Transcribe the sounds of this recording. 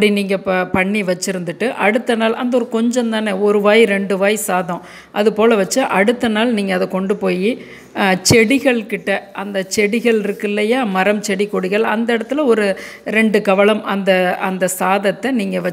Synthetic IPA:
pɽiniːŋɡɐpɐɳːiʋɐt͡ʃːɪɾɯnd̪ɯʈːɯʔɐɽɯt̪ːɐnaːlɐ̰nd̪ɐɔɾɯkɔɲd͡ʒɐnt̪aːneɔɾɯʋaːjɾɛɳɖɯʋaːjsaːðɔ̃ | ʔɐðɯpoːlɐʋɐt͡ʃːɐʔɐɽɯt̪ːɐnaːlniːŋɡɐːðɐkɔɳɖɯpoːji | t͡ʃɛɽɪɣɐɭkɪʈːɐʔɐnd̪ɐt͡ʃɛɽɪɣɐɭɪɾɯkːɪlːɐjaːmɐɾɐmt͡ʃɛɽikːɔɽɪɣɐɭɐnd̪ɐɪɽɐt̪ːɯlɐɔɾɯ | ɾɛɳɖɯkɐʋɐɭɐmɐnd̪ɐɐnd̪ɐsaːðɐt̪ːɛniːŋɡɐʋɐ

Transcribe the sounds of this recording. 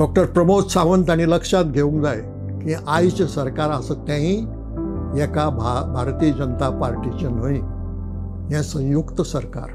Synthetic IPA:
ɖɔk̚ʈəɾpɾəmod͡zsaʋənt̪añiləkʂat̪̚ɡʱeũŋkd͡zaje | kĩʔajt͡ɕəsəɾkaɾasət̪jãɦĩ | jɛkabʱabʱaɾt̪iːəd͡ʑənt̪apaɾʈit͡ɕen̤oi | jɛ̃sə̃j̃jukt̪əsəɾka̰ɾ

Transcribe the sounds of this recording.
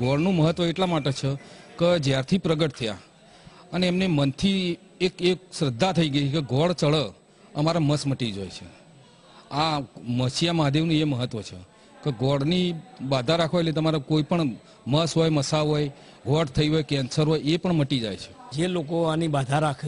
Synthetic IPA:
ɡɔɽnũməɦət̪ʋəeʈlamaʈet͡ʃʰeked͡ʒjaɾt̪ʰipɾəɡəʈ̚t̪ʰəja̰ | əneːmnemənt̪ʰi | ekekʃɾəd̪ʱːat̪ʰəiɡəjt͡ʃʰkeɡɔɽt͡ʃəɭə | əmaɾaməsməʈid͡ʒo̰jt͡ʃʰḛ | aməʃijamad̪ʱjeʋnũeməɦət̪ʋət͡ʃʰḛ | keɡɔɽnibad̪ʱaɾakʰʋajlet̪əmaɾakoipəɳ | məsɦɔjməsaɦoj | ɡʱɔɽt̪ʰəiɦojkɛnsəɾɦojepəɳməʈid͡ʒa̰jt͡ʃʰe̥d͡ʒelokoanibad̪ʱaɾakʰe

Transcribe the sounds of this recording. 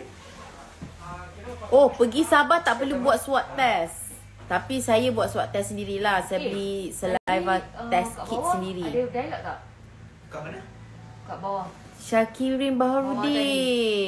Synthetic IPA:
ohpəɡisabat̪aʔpərlubuat̪̚swat̪ːɛs | t̪apisajabuat̪̚swat̪t̪ːɛsːəndiɾilahsajabəlisəlajvat̪ɛskit̚səndiɾidalaʔkaʔ | knə | kabawa | ʃakiɾinbaɦaɾudi

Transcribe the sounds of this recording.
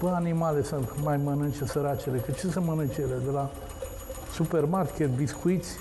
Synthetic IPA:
pəanimalesɨnt̪majmənɨnt͡ʃesəɾat͡ʃelekət͡ʃesɨnmənɨnt͡ʃeled̪ela | supermarkʲet̪biskuit̪sʲ

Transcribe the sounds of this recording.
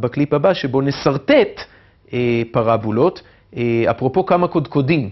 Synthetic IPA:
bakliphabaʃebo̞ne̞saʁt̪et̪ | epaʁabulo̞t̪ | eapʁo̞po̞kamako̞d̪kodim

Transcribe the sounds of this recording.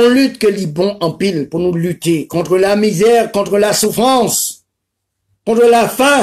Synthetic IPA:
ɔ̃lyt̪kəlibɔ̃ʔɑ̃pilpuʁnulyt̪ekɔ̃t̪χəlamizɛʁkɔ̃t̪χəlasufχɑ̃s | kɔ̃t̪χəlafɛ̃

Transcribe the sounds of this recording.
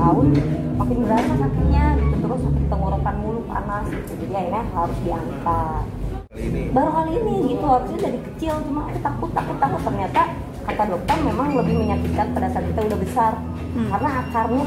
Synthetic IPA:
aʊnmakɪnbəɾasasakɪt̪̚ɲaɡit̪ut̪ulasupətt̪əŋoɾokanmulʊka̰nasɡit̪ud͡ʒadiairɲaɦaɾʊsdiant̪at | baɾuɦaliniɡit̪uɦaɾʊsɲad͡ʒadikə̥t͡ʃɪlt͡ʃumaŋadat̪akʊt̪ːakʊt̪ːakʊt̪ːərɲat̪a | kat̪adɔk̚t̪ɔrmemaŋləbɪhməɲakikan̚pədasarkit̪audahbəsar | kaɾənaːkarmu

